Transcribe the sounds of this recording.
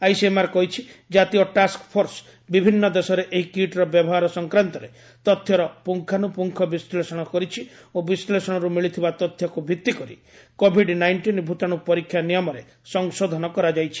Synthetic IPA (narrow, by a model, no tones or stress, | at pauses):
ajsemaɾkɔɦit͡ʃʰid͡ʒat̪ijɔʈaskpʰoɾs | bibʱinːɔd̪esɔɾeʔeɦikiʈɾɔbjɔbɔɦaɾɔsɔŋkɾant̪ɔɾe | t̪ɔt̪ʰːjɔɾɔpuŋkʰanupuŋkʰɔbislesɔɽ̃ɔkɔɾit͡ʃʰi | obislesɔɽ̃ɔɾumiɭit̪ʰibat̪ɔt̪ʰːjɔkubʱit̪ːikɔɾḭ | kobʱiɖnajɳʈinbʱut̪añupɔɾikʰːjanijɔmɔɾe | sɔŋsod̪ʱɔnɔkɔɾad͡ʒajt͡ʃʰi̥